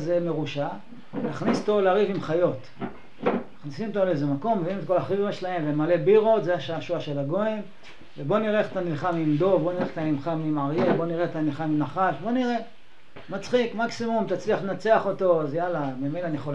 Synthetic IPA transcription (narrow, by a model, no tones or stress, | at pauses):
zeme̞ʁuʃa | naχnist̪o̞leaʁivimχajo̞t̪ | naχnisimot̪oleezemako̞mːeviimet̪ko̞laχivimʃelae̞mvemale̞biʁo̞t̪zeaʃaaʃuaʃe̞laɡo̞em | vebo̞niʁeeχet̪anilχamimd̪o̞vbo̞niʁeχet̪amimχamimaʁjebo̞niʁeetanilχamimnaχaʃbo̞niʁe̞ | mat͡sχikmaksimumt̪at͡sliaχlenat͡seaχo̞t̪o̞azjalamemenaːnijeχol